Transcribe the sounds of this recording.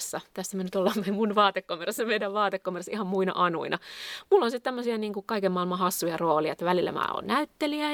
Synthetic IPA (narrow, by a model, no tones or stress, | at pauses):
sːɑt̪æsːæmønyt̪olːɑmmemunʋɑːt̪ekːomeresːɑmeidæʋʋɑːt̪ekːomersihɑmmuinɑ̰ʔɑnṵinɑmulːonsit̪t̪æmːøsiɑniːŋkukɑikemɑilmɑhɑsːujɑroːliɑet̪ːʋælilːæ̰mæ̰ːo̰ːnnæyt̪ːeliæ